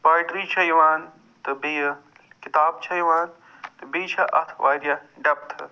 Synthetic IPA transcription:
paːɾʈɾiːt͡ʃʰɐjʋaːn | t̪ɨbij | kit̪aːbt͡ʃʰɐjʋaːn | t̪ɨbiːt͡ʃʰɐʔɐ̰t̪ʰʋaːɾjɐɖɐp̚t̪ʰɨ̰

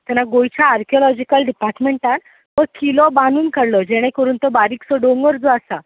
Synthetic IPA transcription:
t̪ɛnaɡojt͡ɕaːɾkʰjɔlɔd͡ʑikəlɖipaɾʈmeɳʈaɾ | ʋəɾkilɔbanuːnkəɾlɔd͡ʑeɽ̃ẽkəɾuːnt̪ɔbaɾiksɔɖoŋɡəɾd͡zɔasa

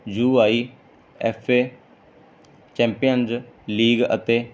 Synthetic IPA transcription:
d͡ʒuːaːiː | ɛːfʰeː | t͡ʃɛ̃ːmpɪjənzliːɡə̰t̪eː

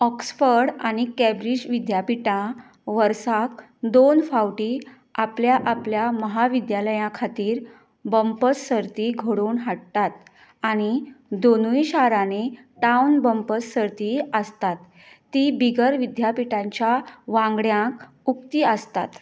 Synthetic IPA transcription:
ɔksfəɾɽaɽ̃ikɛbɾid͡ʑʋid̪japiʈã | ʋəɾsak | d̪onfawʈiː | apljaʔapljaməɦaʋid̪jaləjãkʰat̪iːɾ | bəmpəssəɾt̪iːɡʱoɽuːnɦaɽt̪at̪̚ | aɽ̃id̪onujɕaɾane | ʈawnbəmpəsːəɾt̪iəst̪at̪ː | ibiɡəɾʋid̪japiʈãɲt͡ɕjaʋãŋɡɽjãk | ukt̪iəst̪a̰t̪

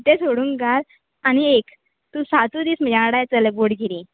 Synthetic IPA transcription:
t̪esoɽuːŋɡal | añiek | t̪ũsat̪ũd̪iːsm̤əd͡ʑanəɽajt͡səleboɽɡiɾi

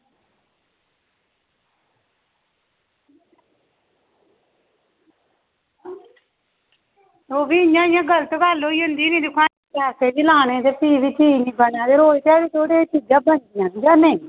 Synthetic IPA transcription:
oːbiːjãːɪjãːɡəlt̪okaːloːiːʊ̃nd̪iːnĩːd̪ʊkʰaː | aːseːd͡ʒiːlaːnẽːd̪eːpiːʋit͡ʃiːnĩːbənãːd̪eːɾoːiːt̪aːɽiːt̪ʰoːɽeːt͡ʃiːd͡ʒãːbənd̪ijãːd͡ʒãːneː

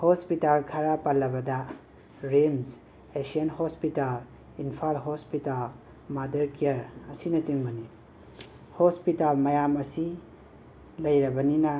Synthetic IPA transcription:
hɔspitalkʰaɾapalːɐbɐda | ɾems | esiɐnhɔspital | inpʰalɦɔspital | madɐɾkiaɾɐsinɐt͡ʃiŋbɐni | hɔspitalmajamɐsi | lɐjɾɐbɐninɐ

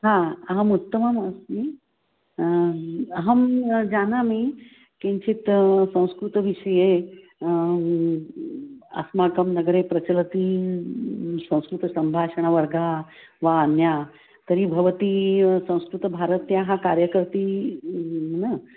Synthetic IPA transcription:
ɦãɦəmut̪ːəməməsmi | ɦəmd͡ʑanamiː | kẽɲt͡ɕiːt̪sɐ̃w̃skɾut̪ʋiʂəje | ə̰smakəmnəɡəɾepɾɐt͡ɕələt̪iː | sə̃w̃skɾut̪ɐsɐmbʱaʂəɳ̃aʋəɾɡaʋaːnja | t̪əɾiːbʱɐʋət̪iːsə̃w̃skɾut̪bʱaɾət̪jaɦãkaɾjəkəɾt̪iː | nə

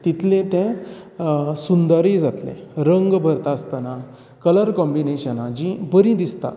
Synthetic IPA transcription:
t̪it̪ʰlẽt̪ẽ | sund̪əɾid͡zat̪lḛ̃ɾəŋɡbʱəɾt̪aəst̪ana | kələɾkɔmbineɕənad͡ʑĩbəɾĩd̪ist̪a̰

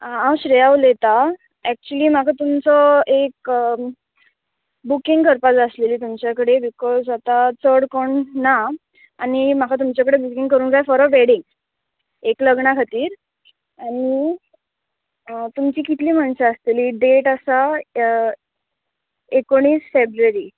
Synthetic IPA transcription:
ãwɕɾejaʋlet̪a | ɛk̚t͡ɕuəliːmakʰat̪umt͡sɔek | bukĩŋɡkəɾpad͡zəsleliːt̪umt͡ɕjakəɽebikɔzat̪at͡səɽkoɳna | añim̤akʰat̪̬umt͡ɕakəɽebukiŋɡkəɾuːŋɡd͡zajfɔɾəʋeɽiŋɡ | ekləɡɳakʰat̪iːɾ | aɽ̃i | t̪umt͡ɕiːkit̪ʰliːməɳɕaəst̪eliːɖeʈasa | ekoɳ̃iːsfebɾuəɾi

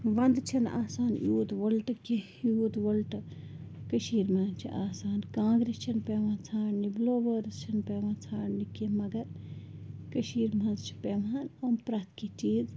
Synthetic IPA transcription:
ʋɐnd̪t͡ʃʰɐna̰ːsaːnjuːd̪ʋɐlʈɨki | juːd̪ʋɐlʈɨ | kəʃiːɾmɐnt͡ʃʰḭʔaːsaːnkãːŋɡɾist͡ʃʰɐnpeːʋãt͡sʰaːnnibloːʋəːɾzt͡ʃʰɐnpeːʋãːt͡sʰaːɳnikimɐɡɐɾ | kəʃiːɾmɐnzt͡ʃʰi̥pemaːnoːnpɾɐt̪ʰkit͡ʃiːz

